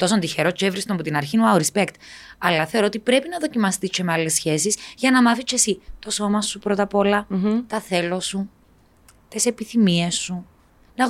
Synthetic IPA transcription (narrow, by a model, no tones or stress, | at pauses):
t̪o̞sont̪içeɾot͡ʃeevɾist̪onɐpo̞t̪inɐɾçinuɐoɾispe̞kt̪ɐlɐθe̞o̞ɾoot̪ipɾe̞pinɐðo̞cimɐst̪it͡ʃːemeɐlːe̞sːçe̞sizʝɐnɐmɐfit͡ʃesit̪o̞so̞mɐsupɾo̞t̪ɐpo̞lɐt̪ɐθe̞losu | t̪ese̞piθimie̞sːu | nɐ